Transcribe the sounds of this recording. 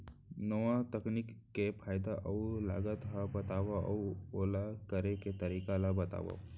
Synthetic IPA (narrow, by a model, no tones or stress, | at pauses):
noʋãt̪əknikːepʰaːjd̪aʔɐula̰ːɡət̪ɦabɐt̪aːʋaʔɐ̰oːlakəɾeket̪ɐɾiːkalabɐt̪a̰ːʋa̰